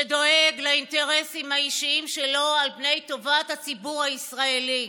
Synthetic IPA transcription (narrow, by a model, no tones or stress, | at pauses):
edo̞e̞ɡlainte̞ʁe̞simhaiʃiimʃe̞lo̞albne̞jto̞vathat͡sibuʁaisʁae̞li